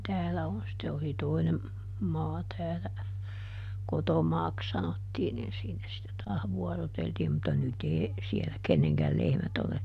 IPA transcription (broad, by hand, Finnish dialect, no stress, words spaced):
tæːlæ on sĭtːe oli toinem mɑː tæːlæ kotomɑːks sɑnotːiːn nin siːnæ sitːe tɑːh ʋuɔroteltiːm mutːɑ nyt eː sielæ kenːeŋkæl lehmæt ole